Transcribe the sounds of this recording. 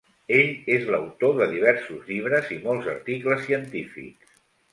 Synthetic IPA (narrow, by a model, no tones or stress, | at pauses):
eʎezləwt̪oðəðiβ̞ɛɾsuzʎiβ̞ɾəzimɔlˠzə̰ɾt̪ikləsːiənt̪ifḭks